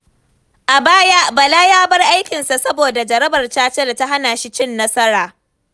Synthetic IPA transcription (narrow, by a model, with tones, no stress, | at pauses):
ʔa˨baː˦ja˦ʔbɐ˨laː˦jaː˦bɐ˦rʔa˦jkʲɪ˨nsa˨sɐ˦boː˨da˨d͡ʒɐ˨ɾɐ˦bɐ˨rt͡ʃaː˦t͡ʃe˦da˨ta˦ɦa˦naː˨ʃi˦t͡ʃɪ˦nːɐ˦sɐ˦ɾaː˨